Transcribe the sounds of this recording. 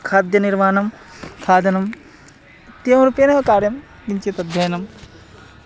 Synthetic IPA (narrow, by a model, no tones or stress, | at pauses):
kʰaːd̪jɐniɾmaːnɐm | kʰaːd̪ɐnɐm | ɐt̪ːijɐmɾupjɐnɐʋɐkaːɾjɐm | ɡiɲt͡ʃit̪ɐd̪ʱjɐjɐnɐm